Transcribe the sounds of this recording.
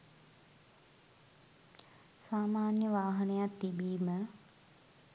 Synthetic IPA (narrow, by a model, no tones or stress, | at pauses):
saːmaːnjəʋaːɦɐnejat̪ːibiːmə